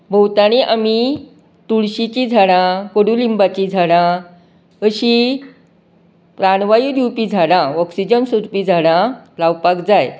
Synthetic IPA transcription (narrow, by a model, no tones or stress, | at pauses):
bʱəwt̪aɽ̃iʔami | t̪uɭɕit͡ɕid͡zʱaɽãkəɽulimbat͡ɕid͡zʱaɽã | əɕi | pɾaɽʋajiɾjupid͡zʱaɽãɔksid͡ʑənsuɾpiːd͡zʱaɽ̃ãlawpakd͡zaj